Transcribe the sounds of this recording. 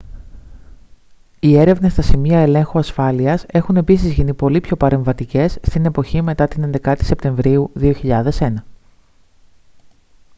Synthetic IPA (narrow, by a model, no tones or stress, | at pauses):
ie̞ɾe̞vnest̪ɐsimiɐe̞le̞ŋxuɐsfɐliɐse̞xune̞pisizʝinipo̞lipço̞pɐɾe̞ɱvɐt̪ice̞sːt̪ine̞po̞çime̞t̪ɐt̪ine̞nd̪e̞kɐt̪i̥se̞pt̪e̞ɱvɾiuðio̞çiʎɐðe̞se̞nɐ